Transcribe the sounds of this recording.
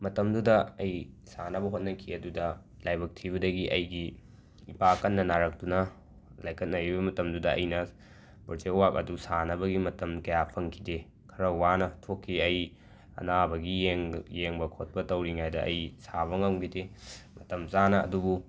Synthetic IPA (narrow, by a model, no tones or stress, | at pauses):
mɐtɐmdudɐɐj | sanɐbɐɦot̚nɐkʰiɐdudɐ | lajbɐk̚tʰiβɐdɐɡiʔɐjɡi | ipakɐnːɐnaɾɐk̚tunɐ | lajkʰɐt̚nɐɾibɐmɐtɐmdudɐɐ̰jnɐ | pɐɾt͡ʃeuwak̚ɐ̰dusanɐbɐɡimɐtɐmkɐjapʰɐŋkʰide | kʰɐɾɐwanɐtʰokʰːiɐj | ɐ̰nabɐɡieŋjeŋbɐkʰot̚pɐtɐwɾiŋajdɐʔɐ̰jsaβɐŋɐŋɡʰidemɐtɐmt͡ʃanɐɐ̰dubu